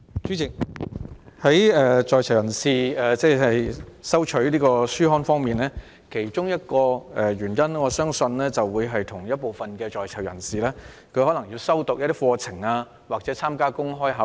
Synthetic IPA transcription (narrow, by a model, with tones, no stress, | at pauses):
t͡ʃyː˨˥t͡sɪ˨k̚ | hɐ˨˥jɛː˨˧t͡sɔː˨jt͡sʰɐ˨˩wjɐ˨˩nsiː˨˩ɛː˨˩t͡sɛː˥˩hɐ˨jsɐ˥wt͡ʃʰɵ˨˥ɥliː˥kɔː˧syː˥ɦɔː˥nfɔː˥ŋmiː˨nlɛː˥ | kʰe˨˩jt͡ʃʊ˥ŋjɐ˥t̚kɔː˧ɛ˨˧ɥyː˨˩njɐ˥nŋɔː˨˧sœː˥ŋsɵ˧nlɛː˥t͡sɐ˨wːuː˨˧jɦɐ˨jt̪ʰʊ˨˩ŋjɐ˥t̚po˨wfɐ˨nkɛː˧t͡ʃɔː˨jt͡sʰɐ˨˩wjɐ̰˨˩nsiː˨lɛː˥ | kʰɵ˧hɔː˨˥lɐ˨˩ŋjiː˧wsɐ˥wt̪ʊ˨k̚jɐ˥t̪d̪iː˥fɔː˧t͡sʰɪ˨˩ŋaː˧ | waː˨k̚t͡sɛ˨˥t͡sʰaː˥mkaː˥kʊ˥ŋɦɔː˥jɦɐ˨˥w